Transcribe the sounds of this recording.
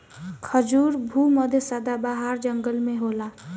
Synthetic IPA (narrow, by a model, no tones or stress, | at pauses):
kʰəd͡ʒuɾbʱuməd̪ʱjəsad̪abaɦaɾd͡ʒəŋɡəlmẽɦoːla